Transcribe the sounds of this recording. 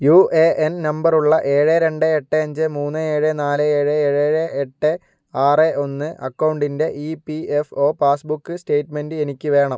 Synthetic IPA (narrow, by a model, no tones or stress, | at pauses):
juːʔeʔennɐmbɐruɭːɐʔe̞ːɻeɾe̞ɳɖɨeʈːɨɐɲd͡ʑɨmuːnːɨe̞ːɻenaːlɨeːɻɨeːɻeɻeʔeʈːɨ | aːreʔo̞nːɨʔɐkːɐwɳɖinde̞ʔipiefo̞ːpaːsbukːɨste̞ːʈme̞ndɨenikʲːɨʋe̞ːɳɐm